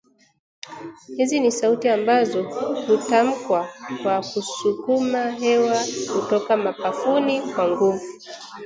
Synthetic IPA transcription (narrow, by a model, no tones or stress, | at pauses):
hizinisautiambazɔhutam̩kwakwakusukumaɦɛwakutɔkamapafunikwaŋɡuvu